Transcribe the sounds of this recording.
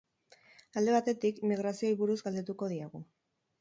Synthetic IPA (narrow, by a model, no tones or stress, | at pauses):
ald̪e̞βat̪e̞t̪ikimiɣɾasio̞iβuɾuzɡald̪e̞t̪uko̞ðiaɣu